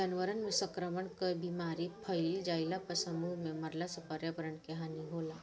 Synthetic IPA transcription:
anʋəɾənmesəkɾəməɳkəjbimaɾipʰəjld͡ʑajlapəsəmumeməɾlasəpəɾjapəɾəɳkeɦaniɦola

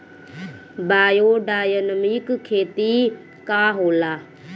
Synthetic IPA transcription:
baːjoːɖaːjənmikkʰːeːt̪iː | kaːɦoːlaː

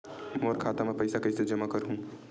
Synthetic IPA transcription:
moːɾkʰaːt̪amɛ̃pɐɪsakɐised͡ʒɐmakɐɾɦũː

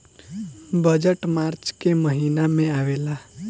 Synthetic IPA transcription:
bəd͡ʒəʈmaɾt͡ʃkeməɦinamẽaʋela

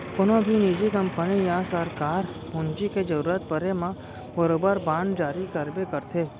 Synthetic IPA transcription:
konobʱinid͡ʒiɡəmpənejasəɾkaɾpũnd͡ʒiked͡ʒəɾuɾat̪̚pəɾemã | bəɾobəɾbãnɖd͡ʒaɾikəɾbekəɾt̪ʰe

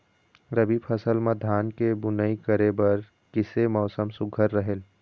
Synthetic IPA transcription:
ɾəbiːpʰəsəlmẽd̪ʱaːnkebʊnəikəɾebəɾ | kɪsemɔːsəmsʊɡʱəɾːəɦel

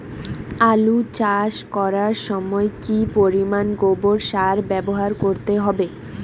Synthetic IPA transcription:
alut͡ɕaʃkɔɾaɾʃɔmɔekipoɾimanɡoboɾʃaɾbɛboɦaɾkoɾt̪eɦɔbe

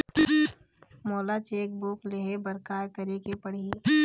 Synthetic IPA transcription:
mɔːlat͡ʃeːk̚bukleɦebəɾkaːɾkəɾekepəɽ̤i

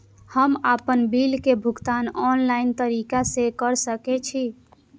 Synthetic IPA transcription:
həmapənbilkebʱuɡt̪anɔnlaint̪əɾikasekəɾsəkɛt͡ʃʰi

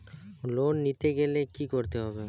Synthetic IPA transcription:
lonːit̪eɡelekikoɾt̪eɦɔbe

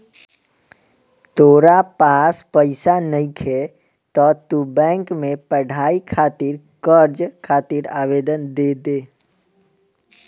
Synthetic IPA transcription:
t̪oːɾapaːspəɪsanəĩkʰe | t̪ɔːt̪ubɛ̃ːŋkmẽpəɖʱaːikʰaːt̪iɾ | kəɾd͡ʒkʰaːt̪iɾaːʋeːd̪ənd̪eːd̪eː

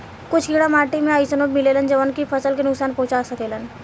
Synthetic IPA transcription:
kʊt͡ʃʰɡiɽamaːʈimẽəjsənoːbmilelənd͡ʒəʋənkifʰəsəlkenʊksaːnpoːt͡ʃasət̪elən

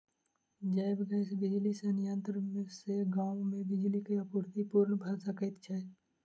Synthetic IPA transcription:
d͡ʒaɪbɡɛːsbɪd͡ʒlisenɪjãnt̪ɾmeseɡãːwmẽbɪd͡ʒlikiɐpuɾt̪ipuɾnbʱaːsakəɪt̪t͡ʃʰa

